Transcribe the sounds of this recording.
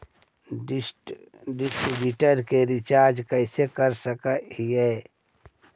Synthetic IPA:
ɖɪsʈɾibjuːʈəɾkeɾɪt͡ʃaːɾd͡ʒkɛɪsekəɾsəkəɦiɦɛː

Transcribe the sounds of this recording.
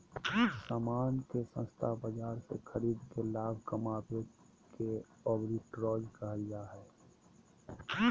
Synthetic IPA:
saːmaːnkesə̰̃nst̪ʰabəd͡ʒaːɾsḛxʰəɾiːd̪kelaːbʱkəmaːbe | ke | ɔːbɾiʈɾɔːd͡ʒkəɦəjaɦɛː

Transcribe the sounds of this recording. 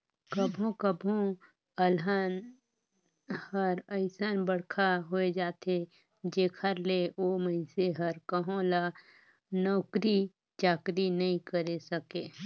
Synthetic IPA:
kəbʱõkəbʱõ | əlɦan | həɾəɪsanbəɽkʰaɦoed͡ʒaːt̪e | d͡ʒeːkʰəɾleʔoːməɪseɦəɾkəɦõla | nɔːkɾi | t͡ʃaːkɾinɐɦĩkəɾesəkeː

